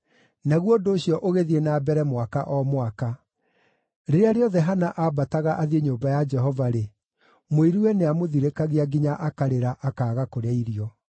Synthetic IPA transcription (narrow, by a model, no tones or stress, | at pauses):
naɣwodoːɕiɔʔoɣeðienaːbɛɾɛmwakaʔɔmwaka | ɾeɾeaɾeɔðɛɦanaʔabataɣaʔaðieɲoːbajad͡ʒɛɦɔvaɾe | moiɾuwɛneamoðiɾekaɣeaɡiɲaʔakaɾeɾaʔakaːɣakoɾeaiɾiɔ